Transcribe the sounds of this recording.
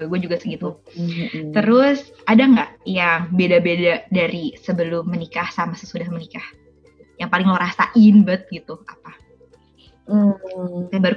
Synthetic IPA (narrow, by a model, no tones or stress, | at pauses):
ɡuad͡ʒuɡasəɡit̪u | t̪əɾʊs | adaŋɡaʔjaŋbedabedadaɾisəbəlʊmːənikahsamasəsudahmənikah | jaŋpalɪŋloɾasaʔɪnbət̪̚ɡit̪uapa | kabaɾu